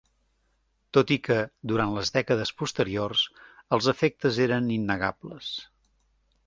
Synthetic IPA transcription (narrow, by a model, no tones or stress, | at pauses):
t̪ot̪ikəd̪uɾant̪ləzðɛkəðəspust̪əɾiorsəlˠzəfek̚t̪əzeɾəninːəɣabləs